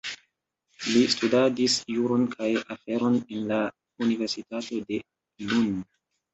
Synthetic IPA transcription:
listudadisjuɾo̞nkʰajafe̞ɾo̞nenla | unive̞ɾsitato̞de̞ | lun

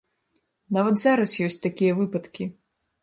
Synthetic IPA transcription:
navɐt̪zaɾɐsjɔsʲt͡sʲt̪akʲijɐvɨpɐt̪kʲi

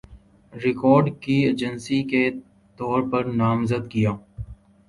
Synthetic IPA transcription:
ɾɪkɔːɾɖkieːd͡ʒənsike | t̪ɔːɾpɐɾnaːmzəd̪kɪjãː

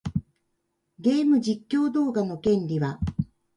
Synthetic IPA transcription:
ɡe̞ːmɯ̟d͡ʑikʲːo̞ːd̪o̞ːɡano̞kẽ̞nɾʲiβa

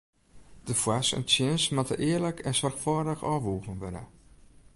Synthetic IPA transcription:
d̥əfwasə̰nsjɪnsmatə̰ʔɪərləkʰɛnsɔrxfɔːdəxɔːʋuːɣənʋødə̰

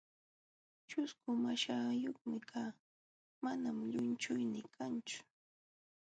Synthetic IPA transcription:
t͡ʃʊskʊmaʃaːjoχmɪkʰaː | manamʎʊnt͡ʃʊjnɪkʰant͡ʃʊ̥

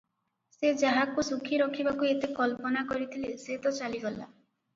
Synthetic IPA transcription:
sed͡ʒaɦakusukʰiɾɔkʰibakuet̪ekɔlpɔnakɔɾit̪ʰileset̪ɔt͡ʃaliɡɔla̰

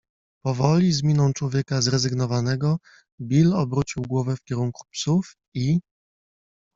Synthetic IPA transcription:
pɔvɔlʲizmʲinɔ̃w̃t͡ʂwɔvʲjɛkazɾɛzɘɡn̪ɔvanɛɡɔ | bʲilɔbɾut͡ɕiwɡwɔvɛfkʲɛɾuŋku̥psuf | i

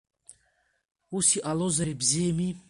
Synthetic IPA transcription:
usiʔalɔzaɾibzɛmi

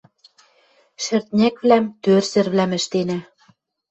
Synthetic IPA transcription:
ʃɘ̆rt̪̚nʲæ̆kβlæmt̪ørsɘ̆rβlæmɘ̆ʃt̪enæ

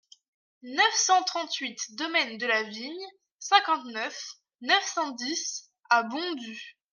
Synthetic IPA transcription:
nœfsɑ̃t̪χɑ̃t̪ɥit̪d̪ɔmɛnd̪əlaviɲ | sɛ̃kɑ̃t̪nœf | nœfsɑ̃d̪is | abɔ̃d̪y

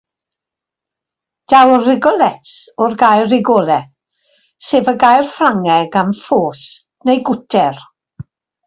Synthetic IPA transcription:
d̥awrɪɡɔlɛtsɔrɡajrɪɡɔːlˠɛ | seːvəɡajrflaŋɛɡanfoːs | nejɡʊtʰɛr

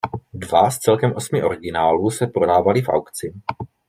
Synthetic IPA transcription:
dvast͡sɛlkɛmʔo̞smɪʔo̞̰ɾɪɡɪnaːluːsɛpɾo̞daːvalɪfʔa̰wkt͡sɪ

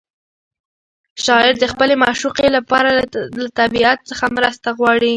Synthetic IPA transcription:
ʃɑɪɾd̪əxpəlemaʃuqelapɑɾalat̪abiat̪t͡səxamɾəst̪aɣwɑɽi

